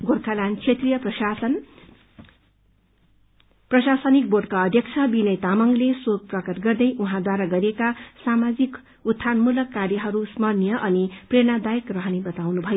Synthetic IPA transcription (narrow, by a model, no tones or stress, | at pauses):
ɡorkʰalant͡sʰet̪rijʌpn | prʌɕasʌnik̚borɖkaʌd̪ʱjʌk̚t͡sʰʌbinʌjt̪amʌŋleswok̚prʌkʌrɡʌrd̪ʌjuɦãd̪waɾaɡʌɾiekasamad͡zik | ut̪ʰːanmulʌkːarjʌɦʌɾusmʌrnjʌʔʌnipreñad̪ajekrʌɦʌnibʌt̪awnubʱʌjo